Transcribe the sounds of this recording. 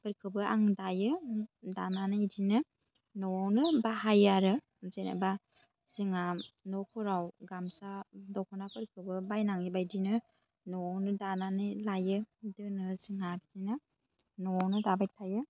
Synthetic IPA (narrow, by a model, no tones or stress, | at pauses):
pɯɾkʰɯbɯa̰ŋdajɯda̰nanɯjdinɯ | nɔawnɯbaɦajaɾɯ | zena̰ba | z̥iŋamnɔkʰɯɾawɡamsadɔwkʰɔnapɯɾkʰɯbɯbajnaŋibajdinɯ | nɔawnɯdananɯjlajɯdɯnɯziŋabidinɯ | nɔwawnɯdabajtʰajɯ